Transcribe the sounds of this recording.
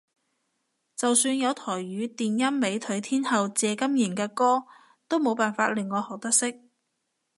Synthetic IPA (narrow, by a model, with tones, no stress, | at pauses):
t͡sɐ˨wsyː˧njɐ˨˧wt̪ʰɔː˨˩jɥyː˨˧t̪iː˨njɐ˥nːe˨˧jt̪ʰɵ˨˥ɥt̪ʰiː˥nhɐ˨wt͡sɛː˨˧kɐ˥mjiː˨˩nkɛː˧kɔː˥ | t̪o˥wmo˨˧wpaː˨nfaː˧t̚lɪ˨ŋːɔː˨˧hɔː˨˩k̚t̪ɐ˥k̚sɪ˥k̚